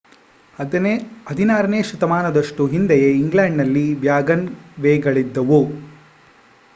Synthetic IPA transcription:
ɐd̪ʱinaːɾɐneːʃɾut̪ɐmaːnɐd̪ɐʂʈuɦind̪ɛjeiŋɡlaːɳɖnɐlːiʋjaːɡɐnʋɛːɡɐɭid̪ːɐʋu

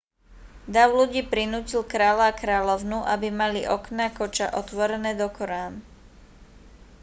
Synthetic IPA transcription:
d̪aʊluɟiːpɾinuːcilkɾaːlakɾaːlɔʊnuʔabimaliʔɔknakɔt͡ʃa̰ʔɔt̪ʋɔɾɛnɛːd̪ɔkɔɾaːn

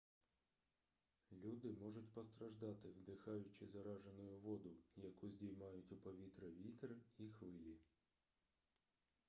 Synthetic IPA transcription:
lʲud̪ɪmɔʐʊtʲpɔst̪ɾɐʒd̪ɑt̪ɪwd̪ɪxɑjʊt͡ʃɪzɐɾɑʒenʊjʊʋɔd̪ʊjɐkuzʲdʲijmɑjʊtʲʊpɔʋʲit̪ɾɐʋʲit̪rixʋɪlʲi

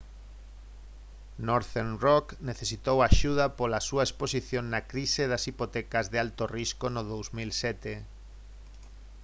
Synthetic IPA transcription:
noɾθenrokneθesit̪owaʃuðɐpolasuaesposiθjoŋnakɾiseðɐsipot̪ɛkɐzðealt̪oriskonoðowzmilsɛt̪e

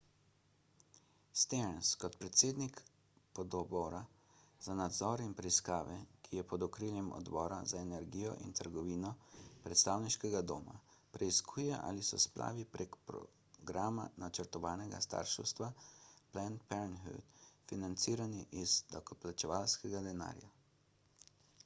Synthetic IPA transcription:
st̪eɾnskɔt̪pɾɛt̪seːd̪nik | pɔd̪ɔbɔːɾa | z̥anad̪zɔːɾinpɾɛiskaːʋɛkʰijɛpɔd̪ɔkɾiːljɛmɔ̰d̪bɔːɾa̰zaenɛɾɡiːjɔ̰ʔḭnt̪ʰəɾɡɔʋiːnɔpɾɛt̪st̪aːwniʃkɛɡad̪ɔːma̰pɾɛiskʰuːjɛʔa̰ːlisɔ̰splʔa̰ːʋipɾʔekpɾɔ̰ | ɡɾaːma̰nat͡ʃəɾt̪ɔʋaːnɛɡa̰st̪a̰ːɾʃɛ̰wst̪ʋaplɛnpɛɾnɦḭt̪finant̪siːɾaniʔizd̪akɔplat͡ʃɛʋaːlskɛɡad̪ɛna̰ːɾja

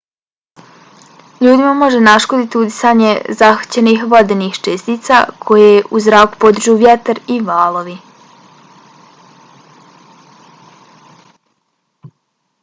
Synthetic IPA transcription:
ʎuːd̪imamo̞ʒenaʃkod̪it̪iud̪i̥saːɲḛzaxḁt͡ɕenixʋo̞d̪enixt͡ʃest̪iːt̪sa̰kʰo̞jeuzɾaːku̥po̞d̪r̩ʒuʋjet̪aɾiʋaːlˠo̞ʋi

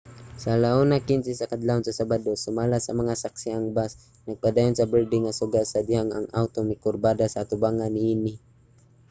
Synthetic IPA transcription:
salaonakɪnsɪsakad̪laʊnsasabad̪osʊmalasamaŋasaksɪaŋbas | nɐɡ̚pad̪aːjʊnsabɛɹd̪ɪŋːasʊɡasad̪ɪhaŋa̰ŋawt̪omɪkʊɾbad̪asaːt̪ʊbaːŋanːɪinɪ

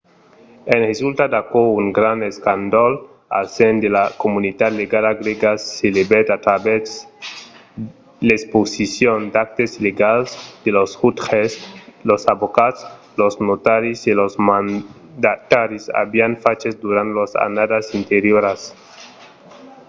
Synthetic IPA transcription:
enhesult̪ad̪akouŋɡɾaneskand̪ol | a̰lsend̪elakomunid̪ad̪leɡalaɡɾeɡaselebet̪at̪ɾaβes | lesposisjond̪ak̚t̪esileɡalsd̪̥elosxut̪xeslosaβokat̪s | losnot̪aɾisilosman | d̪at̪aɾisa̰βianfat͡ʃesd̪uɾant̪losa̰nad̪asint̪eɾjoɾas

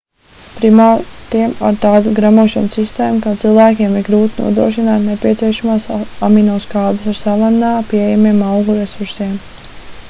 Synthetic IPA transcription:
pɾimaɾiɛma̰ɾt̪aːd̪uɡɾamuɔʃansist̪eːmukat̪silˠvæːkʲiɛmiɾɡɾuːt̪inṵɔd̪ɾuɔʃinaːt̪nepʲiɛt̪siɛʃamaːsaminoːskaːd̪usaɾsalanːaːpiɛjɛmiɛmawɡuɾesuɾsiɛm

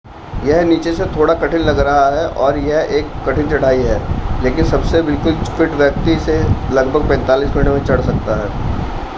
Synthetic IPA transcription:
jɐɦniːt͡ʃeset̪ʰoːɽakɐʈʰɪnlɐɡɾɐɦaɦɛʔɔːɾjɐɦeːkːɐʈʰɪ̃nt͡ʃɐɽ̤aːiɦɛːleːkɪnsɐbsebɪlkʊlspɪʈʋjɐk̚t̪iselɐɡbʱəɡ̚pɛ̃ːnt̪aːliːsɡɐɳʈemẽt͡ʃɐɽ̤sɐk̚t̪aɦɛː

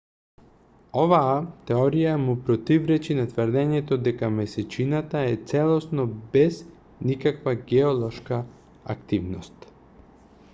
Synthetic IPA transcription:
ovaːt̪ɛɔɾijamupɾot̪ivɾɛt͡ʃinat̪vɾd̪ɛɲɛt̪od̪ɛkamɛsɛt͡ʃinat̪aɛt̪sɛlˠɔsnɔbɛz | nikakvaɡɛolˠɔʃka | a̰kt̪ivnost̪

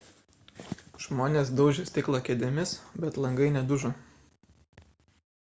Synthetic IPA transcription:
ʒ̥moːnʲeːs̬d̪ɒʊʒʲɪsʲt̪ʲɪklˠɐkʲɛːd̪ʲɪmʲɪsbʲɛt̪lˠɐŋɡɐɪnʲɛd̪ʊʒo

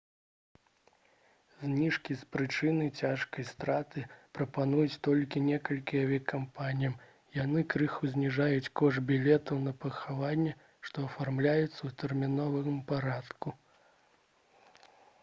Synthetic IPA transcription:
zʲnʲiʂkʲispɾɨt͡ʂɨnɨjt͡sʲaʂkɐjst̪ɾat̪ɨpɾɐpanujut͡sʲt̪ɔlʲkʲinʲɛkɐlʲkʲiavʲɛkampanʲijɐm | janɨkɾɨxuzʲnʲiʐajut͡sʲkɔʐbʲilʲɛt̪ɐwnɐpɐxavanʲːɛ | ʂt̪ɔɐfarmlʲajɛt̪sːɐwt̪ɛrmʲinɔvɨɣɨmpaɾat̪ku

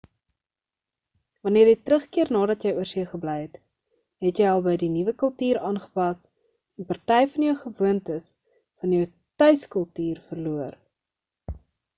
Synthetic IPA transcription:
vɐniəɾjɛjtrəχkiərnɑːdɐtjɛjuəsiəχəblɛjɦɛt | ɦɛtjɛjɐlˠbɛjdinivəkəlˠtyːɾɑːnχə̥pɐs | ɛnpɑrtɛjfɐnjəwχəvuəntəs | fɐnjəw | tœɥskəlˠtyːrfərluər

